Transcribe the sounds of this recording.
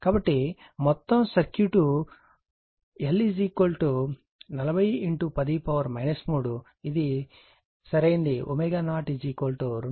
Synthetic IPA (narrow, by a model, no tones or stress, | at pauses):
kaːbɐʈːi | mɔt̪ːɐmsɐɾkjuʈu | elːid͡ʒiːkoːlʈu | nɐlɐbʱɐjiɳʈupɐd̪ipɐʋɐɾmɐjnɐsmuːɽu | id̪i | sɐɾɐjind̪iʔomeːɡaːnaːʈid͡ʒiːkoːlʈuɾ